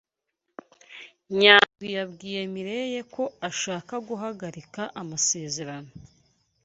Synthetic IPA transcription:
ɲaːijabɡiːje̞miɾe̞je̞ko̞aʃaːkaɡuɦaɡaɾikaʔamase̞ːze̞ɾano̞

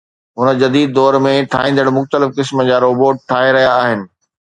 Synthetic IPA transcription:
ɦʊnə̆d͡ʑɐd̪iːd̪̚ːɔːɾmẽʈʰaːɦĩːnd̪əɽ̃mʊxt̪əlɪfkɪsməd͡ʑaːɾoːboːʈ̚ʈʰːaːɦeɾɐɦijaːɦɪnɪ̆

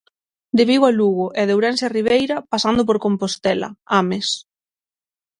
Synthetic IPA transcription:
d̪eβiwaluɣʊʔɛðewɾɛnsariβ̞ejɾɐpasand̪ʊpoɾkompost̪ɛlɐ̰ames

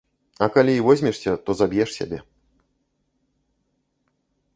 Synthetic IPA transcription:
ɐkalʲiivɔzʲmʲɛʂsʲɐt̪ɔzabʲjɛʂsʲa̰bʲɛ

